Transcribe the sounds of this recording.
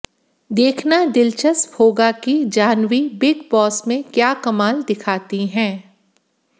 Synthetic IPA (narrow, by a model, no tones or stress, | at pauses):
d̪eːkʰnad̪ɪlt͡ʃəsbʰʱoːɡakid͡ʒaːnwibɪɡbɔːsmẽkjaːkɐmaːld̪ɪkʰaːt̪iɦɛ̃ː